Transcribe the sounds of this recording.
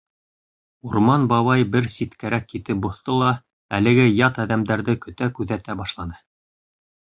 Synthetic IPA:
uɾmɑnbɑβɑjbɘɾsit̪kæɾækːit̪ɘp̚bŏθt̪ɤlˠɑ | ælɘ̆ɡɘjɑt̪æðæmd̪æɾðɘkɵ̆t̪ækʉðæt̪æbɑʃlˠɑnɤ

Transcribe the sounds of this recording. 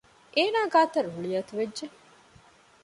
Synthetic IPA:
ʔeːnaːɡaːt̪ɐɾuɭijɐt̪uʋedd͡ʒe

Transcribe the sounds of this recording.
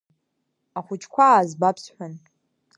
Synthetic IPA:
aχʷʊt͡ʃʰʼkʷʰaːzbapʰsħʷᶣan

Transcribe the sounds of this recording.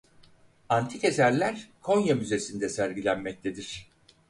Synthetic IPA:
ant̪ʰike̞sæɾlʲæɾkʰo̞njamyze̞sind̪ɛsæɾɟilʲænmɛc̚t̪ʰed̪iɾ̝̥

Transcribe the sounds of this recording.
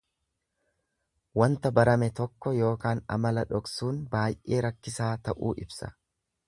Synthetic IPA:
wɐnt̪ɐbɐɾɐmɛt̪ɔkːɔjo̞ːkaːnɐ̰mɐlɐᶑɔksuːnbaːjʔe̞ːɾɐkːɪsaːt̪ɐʔuːʔɪbsɐ̥̰

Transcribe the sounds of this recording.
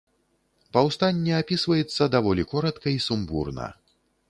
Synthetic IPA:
pɐwst̪anʲːɛapʲisvɐjɛt̪sːɐd̪avɔlʲikɔɾɐt̪kɐisumbṵrnɐ̰

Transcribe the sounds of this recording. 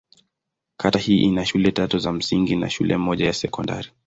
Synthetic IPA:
kʰatahiːʔinaʃulɛtatuzam̩siŋɡina̰ʃulʔɛmɔʄajasɛkɔnda̰ɾi

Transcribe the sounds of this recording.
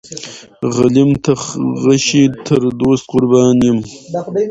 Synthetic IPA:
ʁalimt̪ʰɐʁɐɕit̪ʰəɾd̪oːst̪̚qʊɾbɑːnjim

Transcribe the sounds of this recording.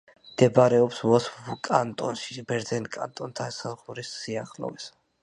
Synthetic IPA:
md̪̥ɛbɾɛɔpsvɔsfvkʼant̪ʼɔnʃibɛɾd̪zɛnkʼa̰nt̪ʼɔnt̪ʰasazʁuɾisːiaχlɔ̰vɛs

